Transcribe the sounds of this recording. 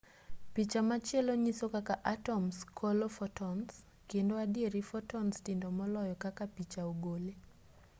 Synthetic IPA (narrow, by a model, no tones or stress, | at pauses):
pit͡ʃamat͡ʃjɛloɲisokakaʔatɔmskʰolofɔtɔns | kendoadɪeɾifɔtɔnstindomɔlɔjɔkakapit͡ʃaoɡole